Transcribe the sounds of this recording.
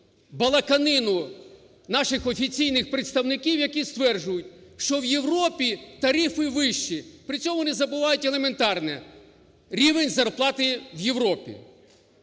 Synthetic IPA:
bɐlˠɐkɐnɪnʊ | nɑʃɪxɔfʲit͡sʲijnɪxpɾet̪st̪ɐwnɪkʲiwjɐkʲist̪ʋɛrʒʊjʊt̚ʲʃt͡ʃɔwjewrɔpʲit̪ɐɾʲifɪʋɪʃt͡ʃipɾɪt͡sʲɔmʊɔnɪzɐbʊʋɑjʊtʲelˠement̪ɑrnɛ | ɾʲiʋenʲzɐrplˠɑt̪ɪwjewɾɔpʲḭ

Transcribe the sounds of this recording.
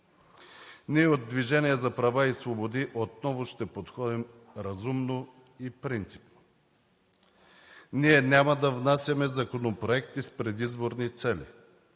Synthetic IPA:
niɛod̪̚d̪ːviʒɛniɛzɐpɾɐvaisvobod̪iʔot̪nɔvoʃt̪ɛpot̪xɔd̪im | ɾɐzumno | ipɾint̪si̥pno̥ | niɛnʲamɐd̪ɐvnasʲjɐmɛzɐkonopɾoɛkt̪ispɾɛd̪izboɾnit̪sɛlḭ

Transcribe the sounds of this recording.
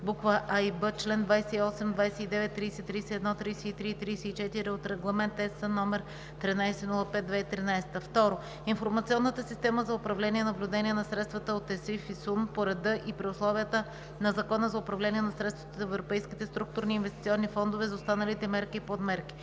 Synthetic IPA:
bukvəʔajbət͡ʃlɛnd̪vajsɛiɔsɛmd̪vajsɛid̪ɛvɛt̪ːɾiːsɛt̪ːɾiːsɛɛd̪nɔt̪ɾiːsɛit̪ɾiit̪ɾiːsɛit͡ʃɛt̪iɾiot̪ɾɛɡlˠɐmɛnt̪ɛsənɔmɛɾ | t̪ɾinajsɛnulˠəpɛt̪̚d̪vɛit̪ɾinajsɛ̥t̪əft̪ɔɾo | infoɾmɐt̪sʲiɔnːət̪əsist̪ɛməzɐʊpɾɐvlɛniɛnɐblʲʊd̪ɛnʲiɛnɐsɾɛt̪st̪vət̪əot̪ɛsifisunpoɾɛd̪ɤʔipɾiʊslˠɔviət̪ə | nɐzɐkɔnəzɐʊpɾɐvlʲɛniɛnɐsɾɛt̪st̪vət̪əzɛvɾopɛjskit̪ɛst̪ɾuk̚t̪ʊɾniːnvɛst̪ʲit̪ʲiɔnːifɔnd̪ovɛzɐost̪anəlit̪ɛmɛɾkipod̪mɛɾki̥

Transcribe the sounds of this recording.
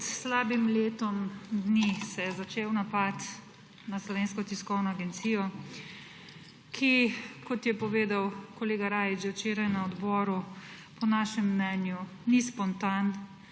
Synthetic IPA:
t̪slaːbimleːt̪ɔmd̪nisɛjɛzat͡ʃeːwnapat̪ | naslɔʋeːnskɔt̪iskɔwnɔaɡɛnt̪sijɔ | kʰikɔt̪jɛpɔʋeːd̪awkɔleːɡaɾaːjid͡ʒɛwt͡ʃeːɾajnaɔd̪bɔːɾu | pɔnaːʃɛmːnɛnjunispɔnt̪an

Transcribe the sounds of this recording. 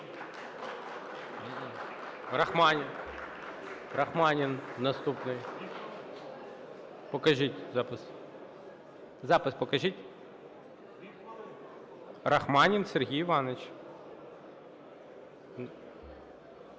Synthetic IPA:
rɐxmɑnʲin | ɾɐxmɑnʲinnɐst̪upnɪj | pɔkɐʒitʲzɑpɪs | zɑpɪspɔkɐʒitʲ | rɐxmɑnʲinserɦʲijʋɑnɪt͡ʃ

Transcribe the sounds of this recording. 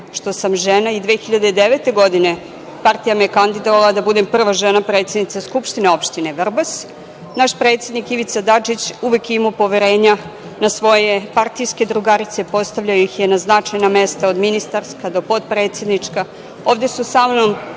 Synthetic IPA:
ʃt̪o̞samʒenaid̪ʋexiʎad̪eid̪eʋet̪e̞ɡo̞d̪ine̞ | part̪ijamejekand̪id̪oʋalad̪abud̪empr̩ʋaʒenapɾe̞t̪sed̪nit̪saskupʃt̪ineo̞pʃt̪ineʋrbas | naʃpɾe̞ːt̪sje̞d̪nikiʋit̪sad̪at͡ʃit͡ɕuʋekimopo̞ʋeɾe̞ːɲa | nasʋo̞je̞part̪ijske̞d̪ɾuɡaɾit̪sepo̞st̪aʋʎajojixjenaznat͡ʂajname̞st̪aod̪minist̪arskad̪o̞po̞d̪pɾe̞ːt̪sjed̪nit͡ʂka | o̞ːʋd̪esusamnom

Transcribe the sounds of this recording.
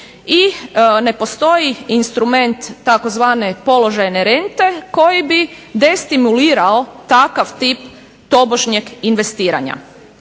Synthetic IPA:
ine̞po̞st̪o̞jiinst̪ɾume̞nt̪ːako̞zʋaːne̞po̞lo̞ʒajneɾent̪e̞ko̞jibid̪est̪imuliːɾaot̪akaʋt̪ip | t̪o̞boʒɲeɡinʋe̞st̪iːɾa̰ɲa̰

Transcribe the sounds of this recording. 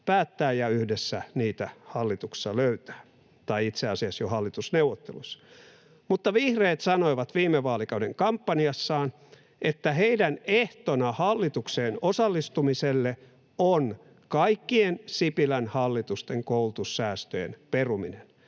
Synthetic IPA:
pæːt̪ːæːjjɑyhdesːæniːt̪æhɑlːit̪uksi̥ɑløyt̪æ̥ː | t̪ɑiit̪seɑsiɑsjohɑlːit̪usneuwʋot̪ːḛlusːɑ̥ | mut̪ːɑʋihreːt̪sɑnoiʋɑt̪ʋiːmːeʋɑːlikɑudeŋkɑmpːɑniɑsːɑːn | et̪ːæheidæneht̪onɑhɑlːit̪ukseːnosɑlːist̪umiselːe | on | kɑikːiensipilænhɑlːit̪ust̪eŋkoulut̪usːæːst̪øjḛnperuminen

